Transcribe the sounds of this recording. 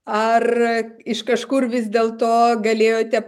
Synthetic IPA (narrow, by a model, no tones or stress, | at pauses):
ɐrɪʃkɐʃkʊrʋʲɪzʲd̪ʲeːlˠt̪oːɡɐlʲeːjoːt̪ʲɛp